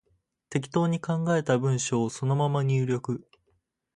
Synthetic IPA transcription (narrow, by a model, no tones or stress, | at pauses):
t̪e̞kʲi̥t̪o̞ːɲ̟ikãŋɡae̞t̪abɯ̟̃ɰ̃ɕo̞ːso̞no̞mamaɲ̟ʲɨːɾʲo̞kɯ̟